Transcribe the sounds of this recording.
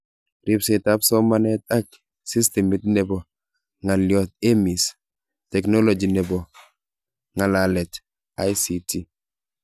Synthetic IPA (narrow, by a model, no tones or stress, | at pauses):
ɾipsetapsɔmanɛtak̚ | sistemitnɛbɔ | ŋaljɔt̚emis | tɛknolod͡ʒinɛbɔ | ŋalalɛt | ajsiti